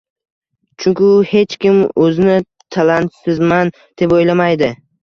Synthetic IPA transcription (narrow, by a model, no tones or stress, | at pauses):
t͡ʃʰʊŋkʲɪʊhe̞t͡ʃkʲɪmɵzɪnɪ | t̪ʰalant̪sɪzman | d̪̥epojlamajd̪ɪ